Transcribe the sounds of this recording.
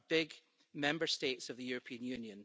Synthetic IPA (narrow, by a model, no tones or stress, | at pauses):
b̥ɪɡ | mɛ̃mbə˞stetsəvðəjʉɹəpʰĩə̃njʉ̃njə̃n